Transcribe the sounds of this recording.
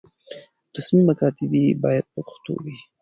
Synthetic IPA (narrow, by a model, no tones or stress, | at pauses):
ɾasmimakɑt̪ɪbibɑjad̪̚pəpʊxt̪o̰wi